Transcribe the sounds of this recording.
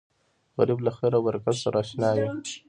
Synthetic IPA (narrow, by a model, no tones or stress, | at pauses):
ɣaɾiblaxeɾawaɾkazsaɾʔaʃnaːji